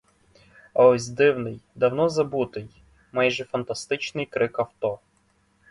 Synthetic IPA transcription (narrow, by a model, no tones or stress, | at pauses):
ɐɔsʲd̪ɪwnɪjd̪ɐwnɔzɐbut̪ɪj | majʒɛfɐnt̪ɐst̪ɪt͡ʃnɪjkɾɪkɐwt̪ɔ